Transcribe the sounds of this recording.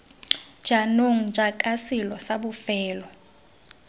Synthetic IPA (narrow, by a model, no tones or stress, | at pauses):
d͡ʒ̥anoŋ̩d͡ʒʱakʼasilɔsabʊfɛːlɔ